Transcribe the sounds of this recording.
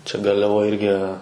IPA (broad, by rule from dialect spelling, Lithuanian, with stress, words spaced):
t͡ʃʲɛ ɡɐrʲlʲɛˈʋoːj ˈɪrʲɡʲɪ